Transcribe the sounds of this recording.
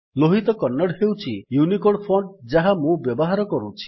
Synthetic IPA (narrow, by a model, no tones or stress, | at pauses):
loɦit̪ɔkɔnːaɽhewt͡ʃʰijunikoɽpʰɔɳɖd͡ʒaɦamũbjɔbɔɦaɾɔkɔɾut͡ʃʰi̥